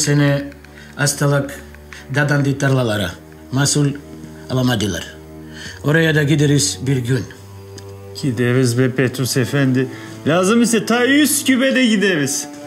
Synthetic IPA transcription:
sene | ast̪alˠɯk | d̪ad̪and̪it̪ʰaɾlˠalˠɑɾɯ̰ | masulʲ | alˠamad̪ɯlˠa̰ɾ | oɾajad̪ɑɡʲid̪eɾiz̥biɾɡʲyn | ɟ̥id̪eβizbɛpʰet̪ɾusefɛnd̪ɪ | lʲaːzɯmisɛt̪ʰayscʰybed̪ɛɟid̪eβiz̥

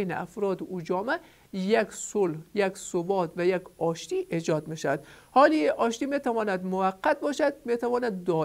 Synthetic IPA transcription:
jn̰a̰fɾɒːd̪ud͡ʒɒːmæ | jaksolhjaksobɒːt̪væjakɒʃt̪iʔed͡ʒɒːd̪meʃad̪hɒːliʔɒːʃt̪iːmet̪ʰævɒːnæd̪mʊvæqːat̪̚bɒːʃad̪̚met̪ʰævɒːnæd̪ːɒː

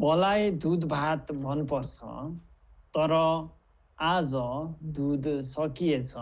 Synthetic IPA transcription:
wɔlajd̪ud̪bʱat̪bʱʌnupɔɾt͡sʰʌ̰ | t̪ʌɾʌ | ad͡zʌd̪ud̪sʌkijet͡sʰʌ

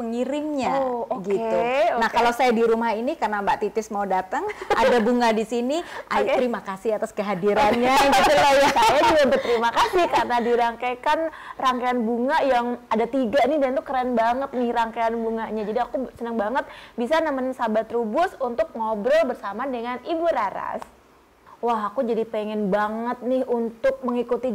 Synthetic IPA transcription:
pəŋiɾɪŋɲaoɡiet̪unahkalosajadiɾumahinikarnambaʔt̪it̪ɪsmaudat̪əŋa̰dabuŋadisiniʔaʔ̪əɾimakasɪhat̪askəɦadiɾanɲaiauajasajad͡ʒuɡampət̪əɾimakasɪhkarnadiɾaŋkakanraŋkaanbuŋajaŋadat̪iɡanɪhdant̪ukəɾanbaŋət̪̚nɪhraŋkaanbuŋaʔɲad͡ʒadiakusənəŋbaŋət̪̚bisanamaɲsabat̪ɾubʊsunt̪ʊk̚ŋobɾɔlbərsamadəŋanibuɾaɾa̰s | waɦakud͡ʒadipeŋɛnbaŋət̪̚nɪhunt̪ʊk̚məŋikut̪i

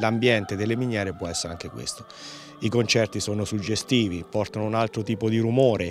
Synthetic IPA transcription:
lambjɛnt̪ed̪elːemiɲjɛːɾepwɔɛsːeɾaŋk̟ekwḛst̪o | ikont͡ʃɛrt̪isoːnosud͡ʒːest̪iːvipɔrt̪anounalt̪ɾot̪iːpod̪iɾumoːɾe

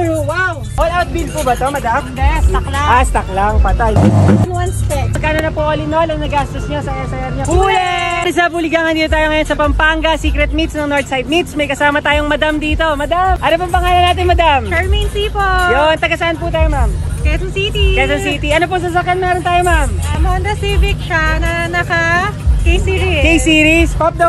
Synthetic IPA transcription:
waw | ʔolawt̪̚bil̚pubɐt̪o̞mɐd̪amɛst̪ɐklaast̪ɐklaŋpɐt̪ajɐnwɐnspɛɐɡkaːnonɐpoʔɐlɪnolɐŋnɐɡast̪osɲosɐɐsɐjɐɾɲopulɛɪsapulɪɡaŋɐnd̪iːt̪ot̪aːjoŋɐjo̞nsɐpɐmpaŋɡɐsiːkɾɛt̪̚mit̪snɐŋnoɹt̪sajd̪̚mit̪smɐjkɐsaːmɐt̪aːjoŋmɐd̪amd̪iːt̪o̞mɐd̪amʔɐnopɐŋpɐŋaːlɐnaːt̪ɪnmɐd̪amt͡ʃɛɹminsipojont̪ɐɡɐsɐʔɐnput̪aːjomamkɐjt̪ɐŋsit̪ikɛjt̪ɐŋsiːt̪iʔɐnop̬oŋs̬ɐs̬ɐkjanmɛːɾont̪aːjomamɐmond̪ɐsivɪkʃanɐnɐkɐkejsiɾikejsiːɾispɐp̚d̪o

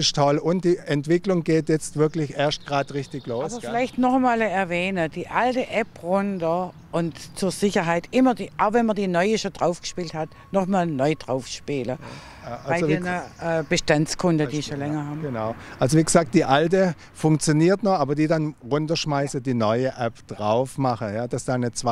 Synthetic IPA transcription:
ɪʃtʰɔlʊntd̥iːʔɛntv̥ɪklʊŋɡeːtjɛt͡stv̥ɪɐklɪçʔeːɐstɡ̥ʁaːtʁɪçtɪçloːsːbɐfɪlaɪçtnɔχmaːlɛɐvɛːnəd̥iːʔaltəʔɛpʁʊndɐ | ʔʊntt͡suːɐzɪçɐɦaɪtʔɪmɐdiːʔaʊxvɛnmɐdiːnɔʏəʃod̥ʁaʊfɡ̥ə̥ʃpiːlthat | nɔχmaːlnɔʏd̥ʁaʊfʃpiːlə | alaɪzeːnɐʔɛːb̥əʃtant͡skʰʊndəd̥iːʃolɛŋɐhaːbnaʊʔalzoviːɡəz̥aːk̚d̥iːʔaltə | fʊŋkt͡sjoniːɐtnɔχʔaːbɐdiːdanʁʊntɐʃmaɪsəd̥iːnɔʏəʔɛpd̥ʁaʊfmaχəjaːd̥asd̥aːnət͡sa

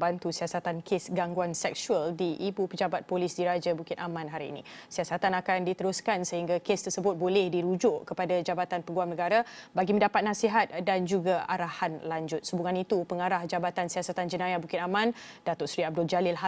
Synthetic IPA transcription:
bant̪usiasat̪ankʰesɡaŋɡuansɛksuəldiʔibupəd͡ʒabat̪̚polɪsdiɾad͡ʒabukɪnʔamãnɦaɾḭːnḭsiasat̪anakandit̪əɾʊskansəɦiŋɡakest̪ərsəbʊt̪̚bolɛhdiɾud͡ʒʊʔkəpadad͡ʒabat̪anpəɡuamnəɡaɾabaɡimə̃ndapat̪̚nasiɦat̪̚dand͡ʒuɡaaɾahanlaɲd͡ʒʊt̪̚subuŋanit̪upəŋaɾahd͡ʒabat̪ansiasat̪and͡ʒənãjabukɪnamãnd̥at̪ʊʔsɾiab̚dʊld͡ʒalɪlɦa

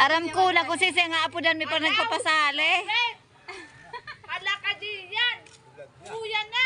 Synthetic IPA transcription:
ʔaɾamkulakɔŋsis̬ɛŋaːpudanmɛparnaɡ̚papasalɛ | alakadijan | ujana

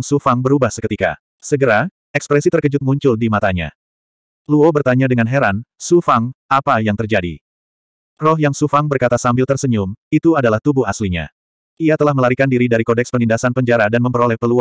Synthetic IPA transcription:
ŋsufaŋbəɾubahsəkət̪ika̰ | səɡəɾa | ɛkspɾɛsit̪ərkəd͡ʒʊt̪̚muɲt͡ʃʊldimat̪aɲa̰ | luobərt̪aɲadəŋanɦɛɾansufaŋapajaŋt̪ərd͡ʒadḭ | rɔɦjaŋsufaŋbərkat̪asambɪlt̪ərsəɲʊmit̪uadalaht̪ubʊɦasliɲa̰ | ʔiat̪əlahməlaɾikandiɾidaɾikodɛkspənindasanpəɲd͡ʒaɾadanməmpəɾolɛhpəlu

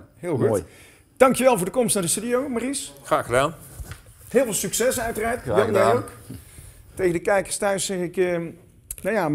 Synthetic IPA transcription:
ɦɪːlˠxu | d̥ɑŋkjəʋɛlˠvʊːɹdəkɔmstnaːɹdəstydiowmarisχraːχədaːn | ɦɪːlˠvɪːlˠsyksɛsœɥtəraːɹtːaok | tejɣəndəkɛjkəɹstœɥsːɛχɪkː | najaː

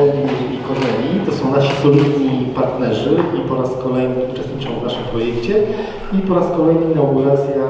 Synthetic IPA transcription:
ɛd̪ʲi | ikɔɾɛjit̪ɔsɔ̃w̃naɕisɔlʲid̪ɲipaɾt̪nɛʐɘipɔɾaskɔlɛjnɘut͡ʂɛst̪ɲit͡ʂɔ̃w̃vnaʂɘmpɾɔjɛkt͡ɕɛ | ipɔɾaskɔlɛjnɘnaɡuɾat̪sʲja

